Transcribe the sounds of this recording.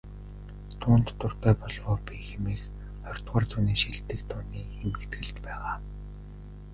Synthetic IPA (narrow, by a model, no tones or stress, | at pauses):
t̪ʰʊːnt̪ʰːʊr̥t̪æːpɔɮwɔːpixemiːk | χɔr̥ʲt̪ʁɔːrt͡suːniːʃiɮt̪ɘ̆kt̪ʰuːniːxemɘ̆kt̪ɡɘ̆ɬt͡ɕ̪pæːʁaː